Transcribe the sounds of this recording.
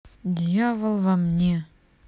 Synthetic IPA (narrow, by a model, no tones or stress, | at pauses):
dʲjavə̆lˠvamnʲe